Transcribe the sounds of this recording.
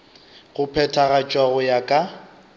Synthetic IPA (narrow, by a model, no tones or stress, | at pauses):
ɣʊpʰɛtʰaɣat͡ʃʼwaɣʊjakʼa